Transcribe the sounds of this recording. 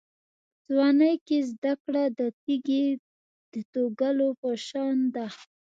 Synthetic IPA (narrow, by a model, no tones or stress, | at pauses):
zwɑnəjkezd̪akɽad̪ət̪iɡe | d̪̥ət̪oɡalopəʃɑnd̪a